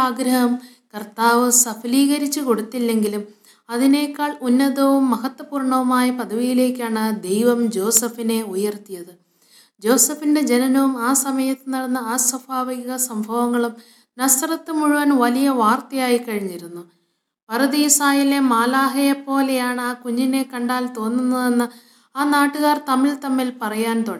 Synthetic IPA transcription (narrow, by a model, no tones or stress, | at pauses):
aːɡɾɐɦɐm | kɐrt̪aːʋɨsɐfʰɐliːɣɐɾit͡ɕːɨko̞ɽut̪ːilːe̞ŋɡilum | ɐðine̞ːkːaːɭunːɐðɐʋumːɐɦɐt̪ːwɐpuːrɳɐʋumaːjɐpɐðɐʋijile̞ːkʲːaːɳɨd̪e̞jʋɐmd͡ʑo̞ːsɐfine̞ujɐrt̪ijɐðɨ | d͡ʑo̞ːsɐfinde̞d͡ʑenɐnɐʋumaːsɐmɐjɐt̪ːɨnɐɽɐnːɐaːsɐbaːʋɐɡiɣɐsɐmbʱɐʋɐŋːɐɭum | nɐst̪rɐt̪ːɨmuɻuʋɐnʋɐlijɐʋaːrt̪ɐjaːjikɐɻiɲːiɾunːu | pɐɾɐðisaːjile̞maːlaːɦɐjepːo̞ːlejaːɳaːkuɲːine̞kɐɳɖaːlt̪o̞ːnːunːɐðe̞nːɨ | aːnaːʈːuɣaːrt̪ɐmilt̪ɐmːilpɐrɐjaːnt̪oɽɐ